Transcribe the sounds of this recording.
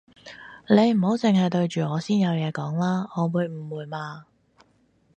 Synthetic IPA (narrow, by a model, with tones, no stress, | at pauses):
le˨˧jm̩˨˩ho˨˥wt͡sɪ˨ŋɦɐ˨jt̪ɵ˧ɥt͡ʃyː˨˩ŋɔː˨˧siː˥njɐ˨˧wjɛː˨˧kɔː˨˥ŋlaː˥ɔː˨˧wuː˨˧jm̩˨˩wuː˨jmaː˧